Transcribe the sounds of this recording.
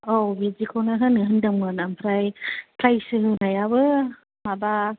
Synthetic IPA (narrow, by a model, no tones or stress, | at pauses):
obizikʰonaɦɯnɯɦɯndɯŋɯnampʰɾajpʰɾajsɯɦɯnajabɯ | maba